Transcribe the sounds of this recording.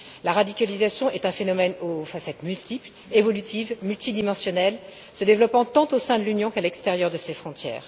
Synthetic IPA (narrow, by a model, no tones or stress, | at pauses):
laʁad̪ikʲalizasjɔ̃ʔɛt̪ɛ̃fenɔmɛnofasɛt̪mylt̪ipl | evɔlyt̪ivmylt̪id̪imɑ̃sjɔnɛl | səd̪evlɔpɑ̃t̪ɑ̃t̪osɛ̃d̪əlynjɔ̃kalɛkst̪eʁjœʁd̪əsefχɔ̃t̪jɛ̰ːʁ